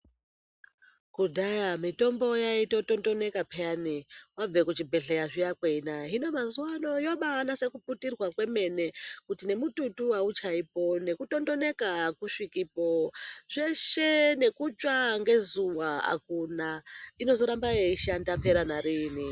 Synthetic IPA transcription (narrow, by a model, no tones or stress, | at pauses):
kudʱajamito̞mbo̞jaito̞to̞ndo̞ne̞kapʰeaniwab͡ve̞kut͡ʃibʱe̞ɬejaʐijakweinaɦino̞mazuwano̞jo̞ɓanase̞kuputirwakweme̞ne̞kutine̞mututuaut͡ʃaipo̞ne̞kuto̞ndo̞ne̞kakuʂikipoʐ̥eʃe̞ne̞kut͡ʃʼwaŋɡe̞zuwaa̰kunaino̞zo̞ɾambaeiʃandapʰe̞ɾanaɾiːni